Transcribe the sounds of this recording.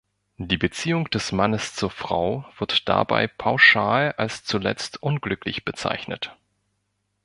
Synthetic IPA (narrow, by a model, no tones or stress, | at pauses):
d̥iːbət͡siːʊŋd̥ɛsmanəst͡suːɐfʁ̥a̰ʊv̥ɪɐtd̥a̰ba̰ɪpʰaʊʃaːlalst͡sulɛ̰t͡stʔʊnɡlʏklɪçb̥ət͡sa̰ɪçnə̰t